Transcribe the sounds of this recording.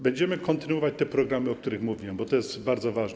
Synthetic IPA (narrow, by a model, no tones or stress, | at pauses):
bɛɲd͡ʑɛmɘkɔnt̪ɘnuwɔvat͡ɕt̪ɛpɾɔɡɾamɘɔkt̪uɾɘxmuvʲiwɛmbɔt̪ɔjɛst̪baɾd̪zɔvaʐn